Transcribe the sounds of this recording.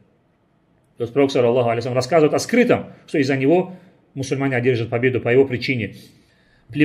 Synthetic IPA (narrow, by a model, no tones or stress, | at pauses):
t̪ost̪pɾɐɾksəlʲːɐlːˠaɦʊɐlʲejs̬lʲːmɾɐskazɨvəjt̪ɐskɾɨt̪əmʂt̪o̞ɪzːənʲɪvo̞ | mʊsʊlʲmanʲɪɐdʲerʐɨt̪̚pɐbʲe̞d̪ʊpəjɪvo̞pɾʲɪt͡ɕinʲɪ | plʲɪ